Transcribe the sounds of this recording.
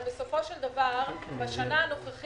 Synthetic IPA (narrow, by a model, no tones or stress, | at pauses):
beso̞fo̞ʃeld̪avaʁbaʃanaːno̞χaχ